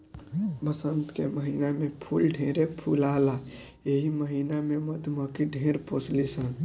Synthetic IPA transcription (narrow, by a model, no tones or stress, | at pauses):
bəsənt̪keməɦinamepʰulɖʱẽɾepʰulala | eɦiməɦinameməd̪ʱməkiɖʱẽɾposlisən